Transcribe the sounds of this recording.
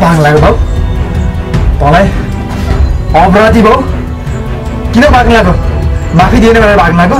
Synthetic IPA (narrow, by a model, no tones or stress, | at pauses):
bʱaɡlaɡobʱaw | t̪ʌlaj | ʌbrad̪ibʱʌw | kinʌbʱaɡnlaɡomapʰid̪ienebʌɾbʱaɡlaɡo